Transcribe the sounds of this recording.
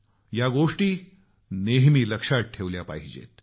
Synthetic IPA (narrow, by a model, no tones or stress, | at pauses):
jaɡoʂʈiː | neɦmiːləkʂaʈʰeʋljapa̰ɦid͡ʑḛt̪